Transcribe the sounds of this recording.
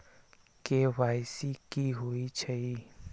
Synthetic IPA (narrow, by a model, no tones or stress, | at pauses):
kewaːɪsikiɦoit͡ʃʰɐi